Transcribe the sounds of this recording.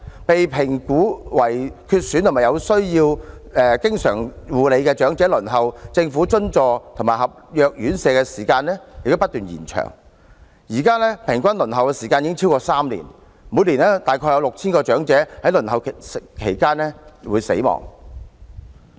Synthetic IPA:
pe˨jpʰɪ˨˩ŋkuː˨˥wɐ˨˩jkʰyː˧t̚sy˨˥nt̪ʰmaː˨˩jɐ˨˧wsɵ˥ɥjiː˧wɛː˨˧kɪ˥ŋsœː˨˩ŋwuː˨le˨˧jkɛː˧t͡ʃœː˨˥ŋt͡sɛː˨˥lɵ˨˩nɦɐ˨wt͡sɪ˧ŋfuː˨˥t͡sɵ˥nt͡sɔː˨˧t̪ʰo˨˩ŋmaː˨˩hɐ˨p̚jœː˧k̚jyː˨˥nsɛː˨˧kɛ˧siː˨˩kaː˧nlɛː˥jɪ˨k̚t̪pɐ˥t̪̚yː˨njḭː˨˩nt͡ʃʰœ̰ː˨˩ŋ | jiː˨˩kaː˥lɛː˥pʰɪ˨˩ŋkʷɐ˥nlɵ˨˩nɦɐ˨˩wkɛː˧siː˨˩kaː˧njiː˨˥ŋt͡sʰiː˥wkɔː˧saː˥mlḭ˨˩n | muː˨˧jliː˨˩nɛː˥t̪aː˨jkʰɔː˧jɐ˧wlʊ˨k̚t͡sʰiː˥nkɔː˧t͡ʃœː˨˥ŋt͡sɛː˨˥hɐ˨˥jlɵ˨˩nhɐ˨wkʰe˨˩jkaː˥nlɛː˥wuː˨˧jsḛ˨˥jmɔ̰ː˨˩ŋ

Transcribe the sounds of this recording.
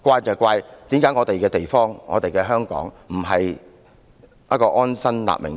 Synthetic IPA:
kʷaː˧jt͡sɔː˨˩kʷwaː˧jt̪iː˨˥mkaː˨˥jŋɔː˨˧t̪e˨jkɛː˧t̪e˨jfɔː˥ŋŋɔː˨˧t̪e˨jkɛː˧ɦœː˥ŋkɔ̰ː˨˥ŋ | m̩˨˩ɦɐ˨j | ɐ̰˥kɔː˧ʔɔː˥nsɐ˥nla̰ː˨p̚mɪ̰˨˩ŋ

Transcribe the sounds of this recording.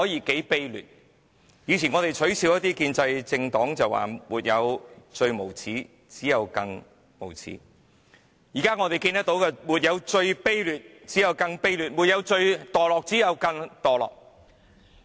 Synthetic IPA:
hɔː˨˥jiː˨˧ke˨˥jpe˥jly̰ː˨t̚ | jiː˨˧t͡sʰiː˨˩nŋɔː˨˧t̪e˨˩jt͡ʃʰɵ˨˥ɥsiː˨˧wjɐ˥t̪i˥kiː˧nt͡sɐ˧jt͡sɪ˧ŋt̪ɔː˨˥ŋt͡sɐ˨wa̰ː˨˩muː˨t̚jɐ̰˨˧wt͡ʃɵ˧ɥmo˨˩wt͡sʰiː˨˥ | t͡siː˨˥jɐ˨˧wkɐ˧ŋ | mo˨˩wt͡sʰḭː˨˥ | jiː˨˩kaː˥ŋɔː˨˧t̪e˨jkiː˧nt̪ɐ˥k̚t̪o˨˥wkɛː˧muː˨t̚jɐ˨˧wt͡ʃɵ˧ɥpe˥jlyː˨t̚ | t͡siː˨˥jɐ˨˧wkɐ˧ŋpe˥jlyː˨t̚muː˨t̚jɐ˨˧wt͡ʃɵ˧ɥt̪ɔː˨˩lɔː˨k̚t͡siː˨˥jɐ˨˧wkɐ˧ŋt̪ɔː˨˩lɔ̰ː˨˩k̚

